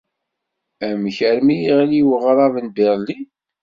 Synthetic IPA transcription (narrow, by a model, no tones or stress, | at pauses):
æmçəɾmijiʁliwəʁɾˤɑvənbeɾˤli